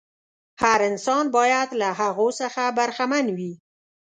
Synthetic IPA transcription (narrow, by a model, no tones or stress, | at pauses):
haɾɪnsɑnbɑjad̪laɦaɣosəxabaɾxamanwi